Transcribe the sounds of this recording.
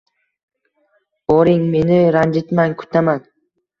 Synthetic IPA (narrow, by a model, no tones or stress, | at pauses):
oɾɪŋme̞nɪɾand͡ʒɪt̪maŋkʰʊ̥t̪ʰaman